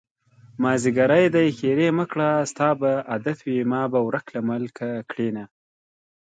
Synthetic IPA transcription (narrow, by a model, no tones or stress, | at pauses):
mɑːziɡaɾajd̪ajxeɾeməkɽast̪ɑːbaʔad̪at̪wimɑːbawɾaklaməlkʰakɽena